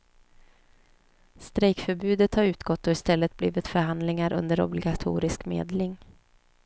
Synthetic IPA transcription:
st̪ɾɛjkfœɾbʉ̟ːd̪ət̪haɾʉ̟ːt̪ɡɔt̪ːɔɪst̪ɛlːət̪̚blḭːvɪt̪fœɾɦand̪lɪŋaɾʔɵ̰nd̪əɾɔ̰blɪɡat̪ʰṵːɾɪskmḛːd̪lɪŋ

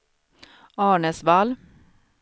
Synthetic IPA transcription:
ɑːɳəsval

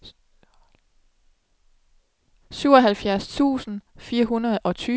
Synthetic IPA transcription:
syʊ̰ɒɦælfjæɐst͡sʰṵːsn̩fiːɐɦunɐð̩ˠʔɒ̽t͡sʰyː

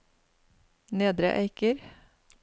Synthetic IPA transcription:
neːd̪ɾə̰ʔæ̰ɪkəɾ

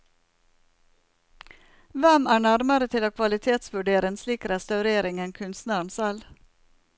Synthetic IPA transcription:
ʋɛmæːɳæɾmɑɾət̪ʰɪloːkʰʋɑlɪt̪ʰeːt̪sʋʉɖeːɾɪŋsliːkɾɛst̪ɑʉɾeːɾɪŋɛnkʰʉnst̪næɳ̩sɛl

